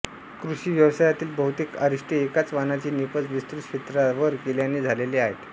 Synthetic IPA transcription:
kɾuɕiːʋjəʋsajat̪iːlbəɦut̪ikaɾiʂʈiekat͡sʋanat͡ɕiːnipət͡sʋist̪ɾuɕet̪ɾaʋəɾkeljaneːd͡zʱaleleaɦet̪

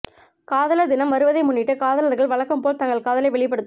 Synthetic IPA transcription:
kaːðɐlɐd̪ɪnɐmːɐɾɯʋɐðɐɪmʊɳːɪʈːɯkaːðɐlɐɾɣɐɭʋɐɭɐkːɐmpoːlt̪ɐŋɡɐɭkaːðɐlɐɪʋɛɭɪpːɐɽɯt̪ː

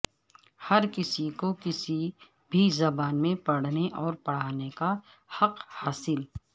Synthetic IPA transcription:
hɐɾkɪsikokɪsi | bʱizɐbaːnmẽpɐɽ̤neʔɔːɾpɐɽ̤aːneka | hɐqhaːsɪl

